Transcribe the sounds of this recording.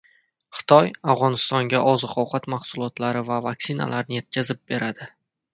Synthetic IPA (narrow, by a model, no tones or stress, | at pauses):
χɨ̥t̪ʰɒjavʁɒnɪst̪ɒŋɡʲaʔɒzɨqʰɒwqʰɑt̪maχsʊlˠɒt̪laɾɪvavaksɪna̰laɾnɪje̞t̪̚kʲʰazɪp̚be̞ɾad̪ɪ